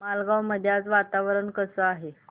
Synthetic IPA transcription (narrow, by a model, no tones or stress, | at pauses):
malɡawməd̪ʱjat͡sʋat̪aʋɾəɳkəsəaɦe